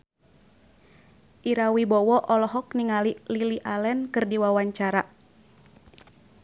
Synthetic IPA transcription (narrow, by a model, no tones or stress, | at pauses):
ʔiɾawibɔwɔʔɔlɔɦɔk̚niŋalililiʔalɛnkɨrdiwawaɲt͡ʃaɾa